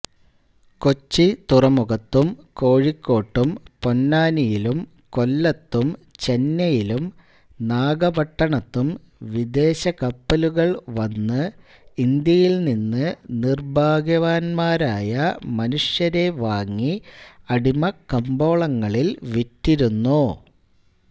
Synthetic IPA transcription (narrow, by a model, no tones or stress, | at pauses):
ko̞t͡ɕːit̪urɐmuɣɐt̪ːumko̞ːɻikːo̞ːʈːumpo̞nːaːnijilum | ko̞lːɐt̪ːumt͡ɕe̞nːɐjilum | naːɡɐbɐʈːɐɳɐt̪ːum | ʋid̪e̞ːɕɐkɐpːɐluɣɐɭʋɐnːɨ | ind̪jɐjilninːɨnirbʱaːɡjɐʋaːnmaːɾaːjɐmɐnuʂjɐɾe̞ʋaːŋːiɐɽimɐkɐmbo̞ːɭɐŋːɐɭilʋitːiɾunːu